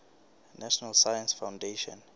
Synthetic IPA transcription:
naʃɔnalsajãnsfawndeʃɔ̰̃n

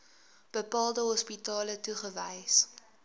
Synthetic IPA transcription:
b̥əpɑːlˠdəɦɔspitɑːlətuχəvəjs

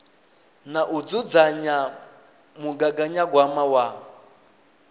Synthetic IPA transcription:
naʔud͡zud͡zaɲa | muɡaɡaɲaɡwamawa

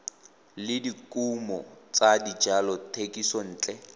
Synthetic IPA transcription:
lɪdikʼumɔt͡sadid͡ʒalɔtʰekʼisɔn̩ːt͡ɬʼɛ

